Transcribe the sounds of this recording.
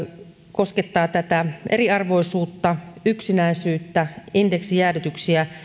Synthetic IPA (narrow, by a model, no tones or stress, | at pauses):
kosket̪ːɑːt̪æt̪æʔeriɑrʋo̞isuːt̪ːɑyksinæisyːt̪ːæindeksijæːrit̪yksiæ